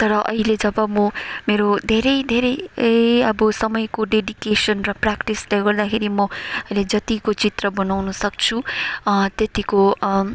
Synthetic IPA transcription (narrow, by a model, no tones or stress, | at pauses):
t̪ʌɾʌʔʌɦiled͡zʌbʌmʌmeɾod̪ʱeɾʌjd̪ʱeɾʌjʌbʌsʌmʌjkoɖeɖikesʌnrʌprakʈislajɡʌɾd̪akʰeɾimʌʌiled͡zʌt̪ikot͡sit̪rʌbʌnawnʌsʌk̚t͡sʰu | t̪jet̪iko